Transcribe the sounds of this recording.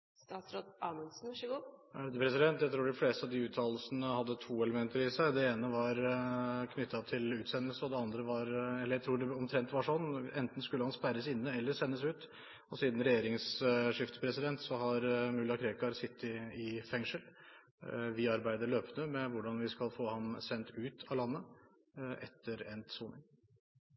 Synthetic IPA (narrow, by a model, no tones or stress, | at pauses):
st̪ɑːt̪sɾod̪ɑməlsn̩ʋʂəɡupʰɾɛsɪd̪ɛnt̪jæɪt̪ʰɾuːɖɪfleːst̪ɑʋd̪ɪʉːt̪ʰːɑːllsənəhɑd̪ːət̪ʰuːɛləmɛnt̪əɾɪsæɪd̪ɛeːnəʋɑɾkʰnʏt̪ʰːɑt̪ʰɪlʉːt̪sɛnːəlsəɔd̪ɛɑnd̪ɾəʋɑɾɛlːəjæɪɾuːɖɛɔmt̪ʰɾɛnt̪ʋɑʂɔnːɛnt̪n̩skʉlːəhɑnspæɪɾəsɪnːəɛlːəɾsɛnːəsʉːt̪ | ɔsiːd̪n̩ɾɛjeːɾɪŋsʂɪft̪ə̥pʰɾɛsɪd̪ɛnt̪sɔhɑɾmʉlːɑkʰɾeːkɑɾsɪt̪ʰːɪɪfɛŋʂəl | ʋɪɑɾbæɪd̪əɭøːpnəmɛʋʊɖɑnʋɪskɑlfoːhɑmsɛnt̪ʉːt̪ʰɑlɑnːə | ʔɛ̰t̪ʰːəɾɛnt̪suːnɪ̰ŋ